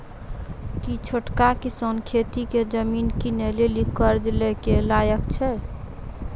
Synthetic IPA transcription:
kit͡ʃʰoʈkakisənkʰet̪iked͡ʒəminkinelelikəɾd͡ʒelɛkelajəkt͡ʃʰɛ

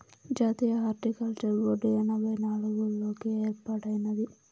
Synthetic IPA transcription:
d͡ʒaːt̪iːjɐɦaːɾʈikɐlt͡ʃɐɾʋoːɖijɐnɐbʱɐjnaːɭuɡuloːkieːɾpaːʈɐjnɐd̪i

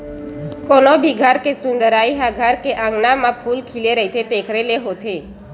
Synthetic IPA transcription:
konobʱiɡʱaɾkesund̪əɾaiɦaɡʱaɾkeʔãŋɡnamãpʰulkʰileɾəɦit̪ʰet̪ekʰɾeleɦot̪ʰe

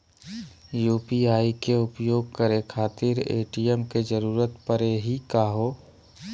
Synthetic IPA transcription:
juːpiaːikeʊpjoːɡ̚kəɾekʰaːt̪ɪɾḛːʈijəmked͡ʒəɾuːɾət̪pəɾeɦikaːɦoː

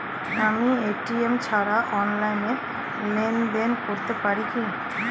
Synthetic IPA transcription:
amieʈiemt͡ɕʰaɾaʔɔnlajneɾ | lenɖ̪enkoɾt̪epaɾiki

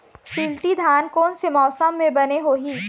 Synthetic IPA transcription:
sɪlʈid̪ʱaːnkɔːnsemɔːsəmːẽbɐneɦoːɦiː

